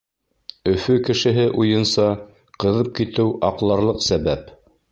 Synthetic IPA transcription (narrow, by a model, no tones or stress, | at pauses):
ɵ̆fɵkɘ̆ʃɘ̆ɦɘʔujɤ̆nsɑ | qɤ̆ðɤp̚kit̪ɘwɑqlˠɑɾlˠɤqsæβæp